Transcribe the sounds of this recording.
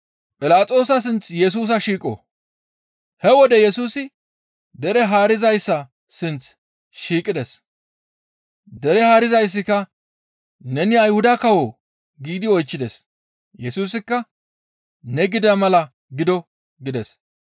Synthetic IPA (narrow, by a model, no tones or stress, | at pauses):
pʼɪlaːt͡sʼo̞ːsɐs̬ɪnt͡sjɛs̬uːs̬ɐʃiːkʼo̰ː | hɛwɔd̪ɛjɛsuːsɪ | d̪ɛɾɛɦaːɾɪzɐjsːɐ | sɪnt͡s | ʃiːkʼɪd̪ɛs | d̪ɛɾɛhaːɾɪzɐjs̬ːɪkːɐ | nɛnɪɐjhʊd̪ɐkɐwo | ɡiːd̪ɪɔjt͡ʃːɪd̪ɛs | jɛsuːsɪkːɐ | nɛɡɪd̪ɐmɐlɐ | ɡɪd̪ɔ | ɡɪd̪ɛs